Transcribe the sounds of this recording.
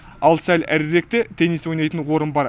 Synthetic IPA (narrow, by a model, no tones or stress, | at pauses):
ɑlˠsælʲæ̰ɾɾe̞k̚t̪e̞t̪ʰe̞niswo̞jnɑjt̪ənwo̞ɾənbɑɾ